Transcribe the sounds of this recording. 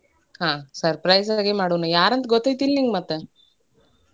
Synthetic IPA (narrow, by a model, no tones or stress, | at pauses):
hãːsɐɾpɾɐjsaaɡemaːɽunajaːɾɐnt̪ɡot̪ːejt̪ilniŋɡmɐt̪ːe